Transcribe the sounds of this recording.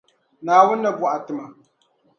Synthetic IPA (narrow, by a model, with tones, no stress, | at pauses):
naː˨wʊ˦nːa˨bʊ˨ʔa˨tɨ˨ma˨